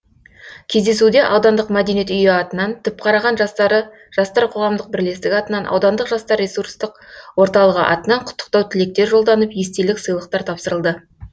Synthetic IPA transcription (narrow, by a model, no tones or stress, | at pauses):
kʲʰe̞zd̪e̞s̬ud̪e̞ʔɑwd̪ɑnd̪əqmæd̪e̞niet̪ʏjɪɑt̪ənɑnt̪ʰʏp̚qʰɑɾɑʁɑnə | ʒ̥ɑst̪ɑɾqʰo̞ʁɑmd̪əq̚bɪɾle̞st̪ɪkʲɑt̪ənɑnʔɑ̰wd̪ɑnd̪əqʒɑst̪ɑɾːesurst̪əqwo̞ɾt̪ɑlˠəʁə̰ʔɑ̰t̪ənɑɴqʰʊ̥t̪ːə̥q̚t̪ɑwt̪ʰɪle̞k̚t̪e̞ɾʒo̞lˠd̪ɑnəpje̞st̪e̞lɪksəjlˠəq̚t̪ɑɾt̪ʰɑpsəɾəlˠd̪ə